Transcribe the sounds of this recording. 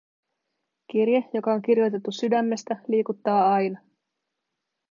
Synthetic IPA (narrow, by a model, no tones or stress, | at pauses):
k̟irjejo̞kɑo̞ŋk̟irjo̞jt̪e̞t̪ːusydæmːe̞st̪æliːkut̪ːɑːɑjnɑ